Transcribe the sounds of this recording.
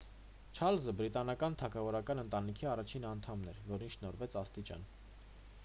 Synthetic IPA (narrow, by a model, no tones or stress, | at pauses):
t͡ʃʰɑlzəbɾit̪ɑnɑkɑnt̪ʰɑkʰɑvɔɾɑkɑnənt̪ɑnikʰiɑrɑt͡ʃʰinɑnt̪ʰɑmnɛɾvɔɾinʃnɔɾvɛt͡sʰɑst̪it͡ʃɑ̰n